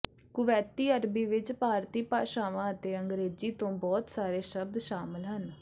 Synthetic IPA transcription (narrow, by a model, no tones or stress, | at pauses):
kʊʋɛːt̪iːəɾbiːʋɪt͡ʃpaːɾt̪iːpaːʃaːʋãːət̪eːəŋɡɾeːziːt̪õːbɔːt̪saːɾeːʃəb̚d̪ʃaːmɪlɦən